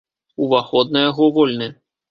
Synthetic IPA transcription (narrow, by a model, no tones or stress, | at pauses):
uvaxɔd̪̚nɐjaɣɔvɔlʲnɛ